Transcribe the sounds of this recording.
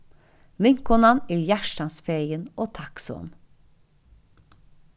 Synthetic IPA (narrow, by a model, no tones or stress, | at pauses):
lɪŋkɔnɑniːjæʃʈɑnsfeɾjənoːt̪ʰɑkso̰n